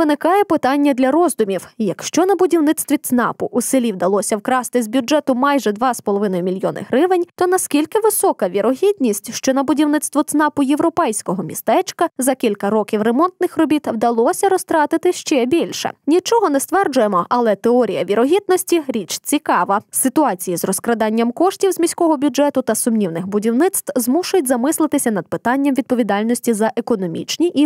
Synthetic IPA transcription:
ʋɪnɪkɑjɛpɪt̪ɑnʲːɐd̪lʲɐɾɔzd̪ʊmʲiwjɐkʃt͡ʃɔnɐbʊdʲiwnɪt̪st̪ʋʲit̪snɑ̰pʊʔusɪlʲiwd̪ɐlˠɔsʲɐwkɾɑst̪ɪzʲbʲjʊd͡ʒɛt̪ʊmɑjʒɛd̪ʋɑspɔlˠɔʋɪnɔjʊmʲilʲjɔnɪ̰ɦɾɪʋɪnʲt̪ɔnɐskʲilʲkɪʋɪsɔkɐʋʲiɾɔɦʲid̪ʲnʲisʲtʲʃt͡ʃɔnɐbʊdʲiwnɪt̪st̪ʋɔt̪snɑpʊjewɾɔpɛjsʲkɔɦɔmʲist̪ɛt͡ʃkɐzɐkʲilʲkɐɾɔkʲiwremɔnt̪nɪxrɔbʲit̪wd̪ɐlˠɔsʲɐɾɔst̪ɾɑt̪ɪt̪ɪʃt͡ʃɛbʲilʲʃɛ̰nʲit͡ʃɔɦɔnɛst̪ʋɛrd͡ʒʊjemɔʔɐlˠɛt̪eɔɾʲijɐʋʲiɾɔɦʲid̪̚nɔsʲtʲiɾʲit͡ʃt͡sʲikɑʋɐsɪt̪ʊɑt͡sʲijizrɔskɾɐd̪ɑnʲːɐmkɔʃtʲiwzʲmʲisʲkɔɦɔbʲʊɛt̪ʊt̪ɐsʊmnʲiwnɪxbʊdʲiwnɪt̪st̪ʋzmuʃʊjʊtʲzɐmɪslˠɪt̪ɪsʲɐnɐd̪̚pɪt̪ɑnʲːɐmʋʲid̪̚pɔʋʲid̪ɑlʲnɔsʲtʲizɐʔekɔnɔmʲḭt͡ʃnʲiʔi

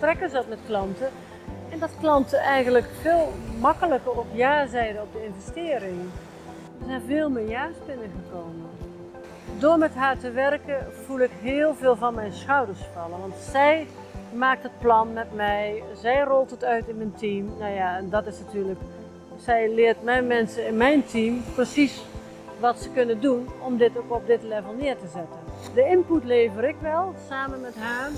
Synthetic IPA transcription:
prɛkəzdɔtmɛtklɑntə | ʔɛndɔtklɑntəʔɛjɣənləkfeːlˠmɑkələkərɔpjaːzɛjdəɔp̚dəɪnvɛstɪːɾɪŋ | əzɛnvɪːlˠmɪjaːsbɪnəɣəkoːmə | doːɹmɛtɦaːɹtəʋɛrkəv̥ulˠɪkɦɪːəlˠvɪːlˠvɔnmɛjnsxɔwdəɹsfɔlˠəʋɑntsɛj | maːk̚tət̚plɑnmɛtmɛjzɛjrɔlˠtətœɥtɪnməntʰimnojaɛndɔtɪsnatyːɹlək | sɛjlɪːərtmɛjnmɛnsəɪnmɛjntʰimprəsis | ʋɔtsəkɵnəndunɔmdɪtokɔp̚dɪtlɛvəlˠnɪərtəzɛtəndəɪnputleːvəɾɪkʋɛlˠsaːmənmɛtɦaː

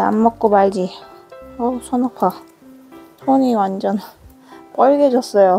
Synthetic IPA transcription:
a̰mːʌk̚k͈omaɭd͡ʑi | ʌsʰʌnopʰa | sʰoɲiwand͡ʑʌn | k͈ʌɭɡed͡ʑʌs͈ʌjo

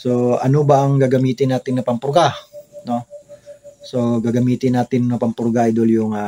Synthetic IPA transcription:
soa̰nobaŋɡaɡamiːt̪ɪnːat̪ɪnːapampuɾɡano | soɡaɡamiːt̪ɪnːat̪ɪnnapampuɾɡaid̪oljʊŋa

